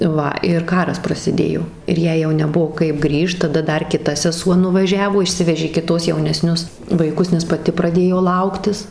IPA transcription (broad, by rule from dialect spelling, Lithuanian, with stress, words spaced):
ˈʋɐ ɪr ˈkɑːrɐs prɐsʲɪˈdʲeːjoː ɪr ˈjɛɪ jɛʊ nʲɛˈbuɔ kɐɪp ˈɡrʲiːʃt tɐˈdɐ ˈdɐr kʲɪˈtɐ sʲɛˈsuɔ nʊʋɐˈʒʲæːʋoː ɪʃʲˈsʲɪʋʲɛʒʲeː kʲɪˈtoːs jɛʊnʲɛˈsʲnʲʊs ʋɐɪˈkʊs nʲɛs pɐˈtʲɪ prɐˈdʲeːjoː ˈlˠɐʊktʲɪs